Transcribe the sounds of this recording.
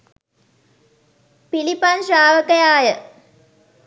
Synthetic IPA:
pilipanʃaːʋəkəjaːjə

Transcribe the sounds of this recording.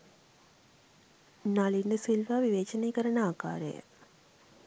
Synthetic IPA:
naliɳɖəsilʋaːʋiʋeːt͡ʃəneːkəɾənəaːka̰ːɾə̰jə̰

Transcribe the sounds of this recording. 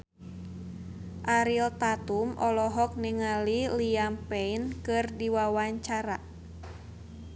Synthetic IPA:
ʔaɾilt̪at̪umʔɔlɔɦɔk̚niŋaliliampɛinkɨrdiwawaɲt͡ʃaɾa

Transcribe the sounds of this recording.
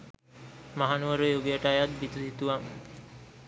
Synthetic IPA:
maɦanuʋəɾojoɡijaʈajat̪̚bit̪usit̪uʋaŋ

